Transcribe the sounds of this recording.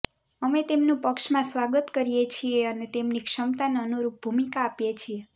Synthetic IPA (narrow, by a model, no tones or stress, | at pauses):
əmet̪emnũpəkʃmãsʋaɡət̪kəɾijet͡ʃʰieənet̪emnikʃəmt̪anənuɾup̚bʱumikaːpjet͡ʃʰie